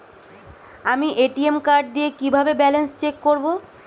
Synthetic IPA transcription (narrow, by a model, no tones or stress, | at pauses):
amiʔeʈiemkaɾɖ̚d̪iekibʱabebɛlenst͡ɕekːoɾbo